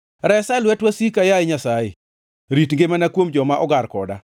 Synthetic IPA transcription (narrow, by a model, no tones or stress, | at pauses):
ɾɛsalwɛtwasikajaɪɲasajɪ̰ | ɾitŋɡemanakwomd͡ʒɔmaʔɔɡarkɔda̰